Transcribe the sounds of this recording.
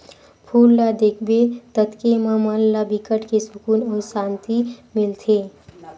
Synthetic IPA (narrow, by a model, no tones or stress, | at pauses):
pʰuːlːad̪eːkʰbet̪ət̪kemãmaːlːabɪkəʈkesʊkuːnɔːɾsaːnt̪imɪlt̪ʰeː